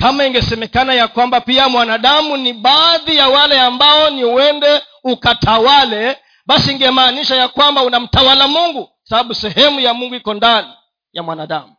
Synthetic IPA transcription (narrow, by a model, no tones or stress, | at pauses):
kamaiŋɡɛsɛmɛkanajakwambapiamwanaɗamuniɓaːðijawalɛambaɔniwɛndɛ | ukatʰawalɛ | ɓasiːŋɡɛmaːniʃajakwambaunam̩tawalamuŋɡu | saɓaɓusɛhɛmujamuŋɡuikɔndani | jamwanaɗamu